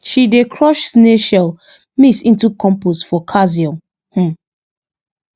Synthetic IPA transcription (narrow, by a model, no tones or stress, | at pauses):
ʃidekʰɹɔʃsneʃɛl | misĩntukʰɔ̃mposfɔkʰaziɔ̃m | h̩